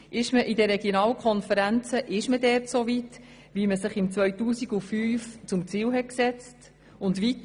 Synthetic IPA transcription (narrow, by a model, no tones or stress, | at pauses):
ʔɪʃməʔidərɾɛɡ̥jonɑːlkʰɔnfəɾænt͡səʔɪʃmədɛːɾtsovit | ʋiməsɪχɪmt͡sʋœɥtuːsiɡufyːft͡sʊmt͡siːlɦɛt̚ksɛt͡st | ʊndʋit̪